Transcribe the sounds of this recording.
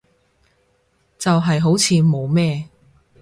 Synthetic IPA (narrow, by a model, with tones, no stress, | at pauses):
t͡sɐ˨wɦɐ˨jɦo˨˥wt͡sʰiː˨˧mo˨˧wmɛː˥